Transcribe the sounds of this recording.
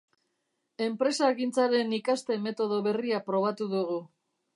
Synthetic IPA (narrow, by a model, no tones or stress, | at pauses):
e̞mpɾe̞saːɣint͡saɾe̞nikast̪e̞me̞t̪o̞ð̞o̞βe̞riapɾo̞β̞at̪uðuɣu